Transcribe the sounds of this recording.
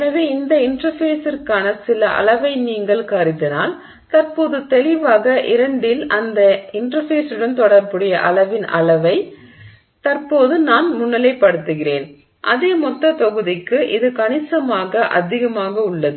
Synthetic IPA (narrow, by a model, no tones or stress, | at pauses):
nɐʋeːɪnd̪ɐɪɳɾɐfeːsɪrkaːnɐsɪlɐʔɐ̰lɐʋɐɪniːŋɡɐɭkɐɾɪðɪnaːl | t̪ɐrpoːðɯt̪ɛɭɪʋaːɣɐʔɪɾɐɳɖɪlɐnd̪ɐɪɳɖɾɐfeːsɯɽɐnt̪ɔɽɐɾpɯɽɪjɐʔɐlɐʋɪnɐ̰lɐʋɐɪ | t̪ɐrpoːðɯnaːnmʊɳːɐlɐɪpːɐɽɯt̪ːɯɣɪrḛːn | ʔɐ̰ðeːmɔt̪ːɐt̪ɔɣɯðɪkːɯʔɪðɯkɐɳɪsɐmaːɣɐʔɐ̰ðɪɣɐmaːɣɐʊɭːɐðɯ